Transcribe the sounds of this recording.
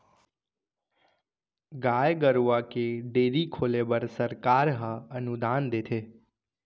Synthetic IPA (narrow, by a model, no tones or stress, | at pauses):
ɡajɡəɾʋakeɖeːɾikʰolebəɾsəɾkaːɾɦəənud̪aːnd̪et̪ʰe